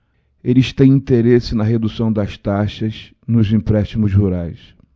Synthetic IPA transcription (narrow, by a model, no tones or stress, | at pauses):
elɪʃt̪ẽj̃ĩt̪eɾesɪnɐɦed̪usɐ̃w̃d̪ɐst̪aʃɐz | nʊzĩpɾɛʃt̪imʊzhuɾajs